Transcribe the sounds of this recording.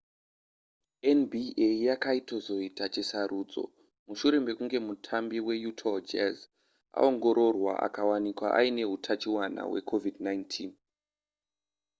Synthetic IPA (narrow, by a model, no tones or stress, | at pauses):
enbiʔejakaito̞zo̞itat͡ʃisaɾʔuːd͡zo̞̰ | muʃuɾe̞mbe̞kuŋɡe̞mutʰambiwe̞jutʰod͡ʒez | a̰o̞ŋɡo̞ɾo̞rwa̰ʔa̰kawanikwaʔaine̞ɦutʰat͡ʃiwana̰we̞̰kʰo̞vidnajntʰin